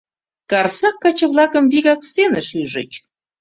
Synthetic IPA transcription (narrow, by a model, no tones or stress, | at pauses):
kɑrsɑkːɑt͡ɕɤ̆βlˠɑkə̆mβiɣɑksenə̆ʃyʒə̰̆t͡ɕ